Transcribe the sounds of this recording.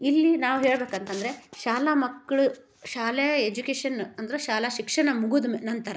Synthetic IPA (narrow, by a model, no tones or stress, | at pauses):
ilːinaːʋuɦeːɭbeːkɐnt̪ɐnd̪ɐɾeʃaːlamɐkːɐɭu | ʃaːlɛjɐed͡ʒukeːʂɐnɐnd̪ɐɾeʃaːlɐʃikʂɐɳɐmuɡud̪umnɐnt̪ɐɾɐ